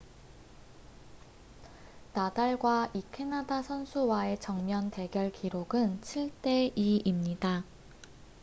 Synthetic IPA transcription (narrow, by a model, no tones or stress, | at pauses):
nadaɭɡwaʔikʰe̞nadasʰʌnsʰuwae̞t͡ɕʌŋmjʌnte̞ɡjʌɭkiɾoɡɯnt͡ɕʰiɭt͈e̞iimɲida